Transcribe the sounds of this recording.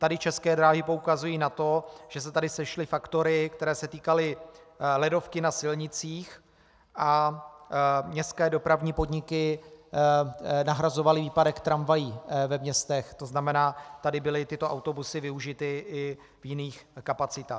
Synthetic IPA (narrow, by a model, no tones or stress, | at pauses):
t̪adɪt͡ʃɛskɛːdɾaːɦɪpo̞ukazujiːnat̪o̞ʒ̥ɛsɛt̪adɪsɛʃlɪfakt̪o̞ɾɪkt̪ɛɾɛːsɛt̪iːkalɪlɛdo̞fkɪnasɪlɲɪt͡siːx | ʔa | mɲɛskɛːdo̞pɾavɲiːpo̞dɲɪkɪ | naɦɾazovalɪviːpadɛkt̪ɾamvajivɛmɲɛst̪ɛxt̪o̞znamɛnaːt̪adɪbɪlɪt̪ɪt̪o̞ʔawt̪o̞busɪvɪuʒɪt̪ɪʔɪ | vjɪniːxkapat͡sɪt̪aː